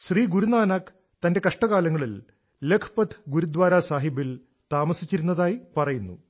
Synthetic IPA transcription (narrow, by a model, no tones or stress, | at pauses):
ɕriːɡuɾunaːnaːk | t̪ɐnde̞kɐʂʈɐɣaːlɐŋːɐɭil | lekʰpɐt̪ʰɡuɾud̪ʋaːɾaːsaːɦibil | t̪aːmɐsit͡ɕːiɾunːɐðaːjipɐrɐjunːu